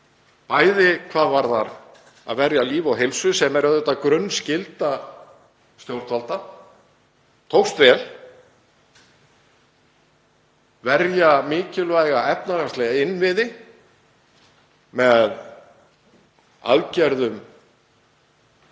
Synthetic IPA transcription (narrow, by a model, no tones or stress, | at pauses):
paːjðɪkʰvaːðvaɾðaɾ | a̰ðvɛɾjaliːvawɦejlsʏsɛmɛɾʏðθɛht̪ːakɾœnːscɪlt̪a | st̪jowɾ̥t̪ʰvalt̪a | t̪ʰowxst̪vɛl | vɛɾjamɪːcɪlvaːjɣaɛpnaɾast̪lɛɣaɪnːvɪðɪ | mɛð | a̰ðcɛɾðʏm